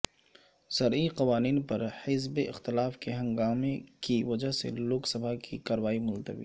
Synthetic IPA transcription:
sɐɾiqɐʋaːniːnpɐɾhɪzbeʔɪ̰xt̪ɪlaːfkeɦɐ̃ŋɡaːmẽkiʋɐd͡ʒaɦsḛloːksɐbʱakʰikaːɾʋaːimʊlt̪ə̰ʋḭː

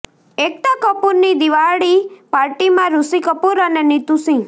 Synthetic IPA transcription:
ek̚t̪akɔpuɾnid̪iʋaɽipaɾʈimãɾusikəpuɾənenit̪usĩŋ

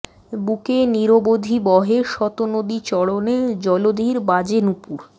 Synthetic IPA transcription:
bukeniɾobod̪ʱibɔɦeʃɔt̪onod̪it͡ɕɔɽoned͡ʑɔlod̪ʱiɾbad͡ʑenupuɾ

